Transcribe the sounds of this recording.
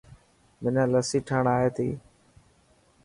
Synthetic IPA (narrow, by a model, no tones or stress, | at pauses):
mɪnə̃ːləsiːʈʰəːɳaːɦeːt̪ʰḭː